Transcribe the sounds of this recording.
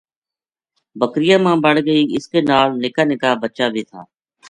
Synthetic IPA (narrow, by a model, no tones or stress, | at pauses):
bəkɾɪjãːmãːbəɽɡəiːɪskeːnaːlnɪkaːnɪkaːbətːʃaːbʱiːt̪ʰaː